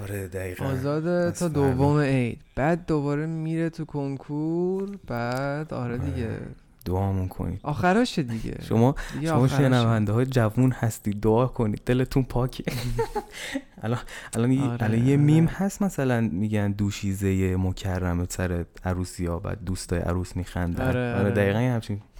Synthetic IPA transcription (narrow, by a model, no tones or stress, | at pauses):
ɒɾed̪æɣiːɣæɒːzɒːd̪et̪ʰɒːd̪ovːomeejd̪b̥æd̪ːobɒːɾemiːɾet̪ʰukʰoŋkʰuɾb̥æd̪ɒ̰ːɾed̪iɡḛ | d̪̥oɒːmunkʰo̰nḭd̪̥ʔɒːxæɾɒːʃed̪iɟḛʃo̰mɒːdiʃoɒːʃenævænd̪eɦɒːjed͡ʒævunhæst̪iːd̪̚ːoɒːhkʰo̞niːd̪̚d̪e̞let̪ʰunpʰɒːcʰe | ælɒnʔælɒnællɒnjemiːmhæst̪mæsælænmiːɟænd̪uːʃiːzejemocʰærːæmesæɾe | æɾuːsijɒːbæ̰ːd̪̚ːuːst̪ʰɒːjeʔæ̰ɾuːsmiːxænd̪æ̰ɒːɾed̪æiːɣænjhæmt͡ʃʰin